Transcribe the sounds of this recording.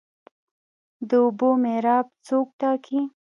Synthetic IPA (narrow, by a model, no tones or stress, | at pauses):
d̪əʊbomeɾɑb̚t͡sok̚ʈ̪ɑkʰi